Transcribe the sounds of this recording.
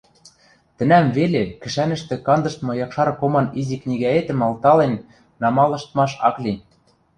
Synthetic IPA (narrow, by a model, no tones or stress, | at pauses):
t̪ɘ̆næmvelekɘ̆ʃænɘ̆ʃt̪ĕkɑnd̪ɤ̆ʃt̪mɤ̆jɑkʃɑɾkomɑniziknʲiɣæet̪ɘ̆mɑlt̪ɑlenː | ɑmɑlɤ̆ʃt̪mɑʃɑklʲin